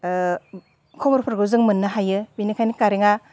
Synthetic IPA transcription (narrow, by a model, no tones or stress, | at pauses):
kʰɔmɔɾpʰɯɾɡɯzɯŋmɯnːɯɦajɯbinikʰajnikaɾeŋa